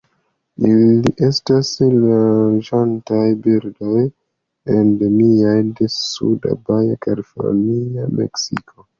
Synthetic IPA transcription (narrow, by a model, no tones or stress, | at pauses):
iliʔe̞staslad͡ʒantajbiɾdo̞j | endomiajdesṵda̰bajakaɾifo̰niamḛksikʰo